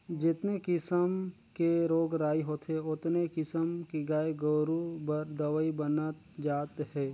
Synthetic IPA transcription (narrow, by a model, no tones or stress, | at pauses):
d͡ʒɪt̪nekɪsəm | keɾoːɡɾaːiɦoːt̪eʊt̪nekɪsəmkiɡaːeɡəːɾubəɾd̪əʋəibənət̪ | d͡ʒaːt̪ɦɛː